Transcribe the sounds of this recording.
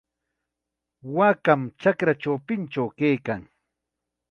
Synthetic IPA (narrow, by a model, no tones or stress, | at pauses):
wakamt͡ʃakɾaʈ͡ʂawpɪnt͡ʃawkajkaŋ